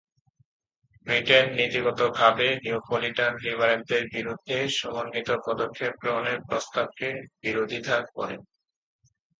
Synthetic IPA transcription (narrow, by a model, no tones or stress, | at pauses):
bɾiʈenːit̪iɡɔt̪oɡʱabeniupoliʈanɾibʱaɾen̚d̪eɾbiɾud̪ʱːeʃɔmonːit̪opɔd̪okʰːep̚ɡɾoneɾpɾost̪ab̚kebiɾod̪ʱit̪ʰakkɔ̰ɾḛn